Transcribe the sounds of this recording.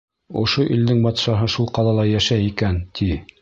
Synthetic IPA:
ŏ̰ʃoʔild̪ɘŋbɑt̪ʃɑɦɤʃulˠqɑlˠɑlˠɑjæʃæjikænt̪ʰi

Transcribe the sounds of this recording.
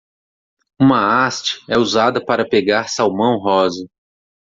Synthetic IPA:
ũmɐast͡ʃi̥ɛuzad̪ɐpaɾɐpeɡaɾsawmɐ̃w̃ɦɔzɐ

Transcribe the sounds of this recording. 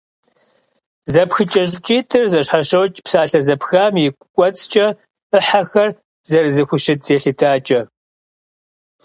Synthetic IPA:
zɐpxɨt͡ʃʼɐɕʼt͡ʃʼiːtʰɨrzɐɕħaʃɐwt͡ʃʼpsaːɬɐzɐpxaːmjɛkʷʼkʷʼɔt͡sʼt͡ʃʼɐ | ɨħaxɐr | zɐrzɨxʷʊʃɪtz̥eːɬɨtʰaːt͡ʃʼɐ

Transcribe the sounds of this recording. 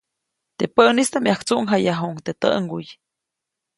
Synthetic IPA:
t̪epəʔnist̪amjakt͡suʔŋɦajaɦuŋt̪et̪ə̰ʔŋɡuj

